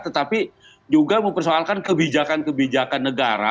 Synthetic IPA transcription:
t̪ət̪api | d͡ʒuɡaməmpərsoalkankəbid͡ʒakankəbid͡ʒakanːəɡaɾa̰

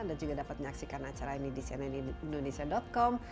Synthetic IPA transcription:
ndad͡ʒuɡadapat̪̚məɲaksikanat͡ʃaɾainidisiananndonesiadɔt̪̚kɔm

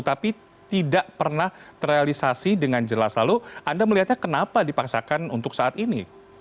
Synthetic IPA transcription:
t̪api | t̪idaʔpərnaht̪ərealisasidəŋand͡ʒəlaslaluʔandaməliɦat̪̚ɲakənapadipaksakanunt̪ʊksaʔat̪ini

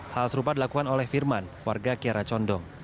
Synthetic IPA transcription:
halsəɾupadilakukanolɛhfirmankwarɡakiaɾat͡ʃɔndɔŋ

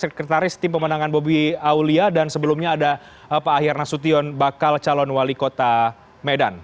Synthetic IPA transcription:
səkɾət̪aɾɪst̪ɪmpəmənaŋanbobiauliadansəbəlumɲaːda | paːɦɪrnasut̪iɔnbakalt͡ʃalɔnwalikot̪a | medan

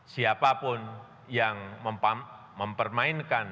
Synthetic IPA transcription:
siapapʊn | jaŋməmpa | məmpərmaɪnkan

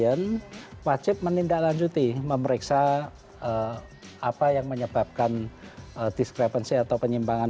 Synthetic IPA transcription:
ənwat͡ʃɪp̚mənindaʔlaɲd͡ʒut̪iməməɾeksa | ə | apajaŋməɲəb̥ap̚kanədiskɾepənsiat̪awpəɲimbaŋa

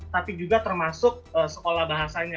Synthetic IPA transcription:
t̪apid͡ʒuɡat̪ərmasʊk̚əsəkolahbaɦasaɲa

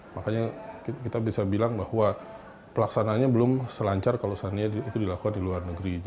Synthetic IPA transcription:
makaɲakkit̪abisabilaŋbahwa | pəlaksanaːɲabəlʊmsəlaɲt͡ʃarkalosaniɲaiit̪udilakukandiluarnəɡɾi

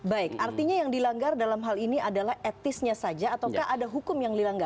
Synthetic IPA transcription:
baɪkart̪iɲajaŋdilaŋɡardalamɦaliniadalahɛt̪ɪsɲasad͡ʒaːt̪awkaɦadaɦukʊmjaŋdilaŋɡar

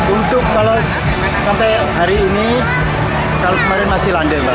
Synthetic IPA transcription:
unt̪ʊk̚kala | sampɛj | ɦaɾiːni | kalokəmaɾɪnmasɪɦlaɳɖəra

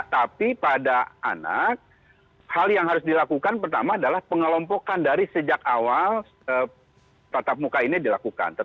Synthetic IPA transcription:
t̪apipadaa̰na̰k̚ | haljaŋɦaɾʊs̬dilakukanpərt̪amaːdalahpəŋəlɔmpokandaɾisəd͡ʒakawal | ə | t̪at̪ap̚mukainidilakuka̰nt̪ə

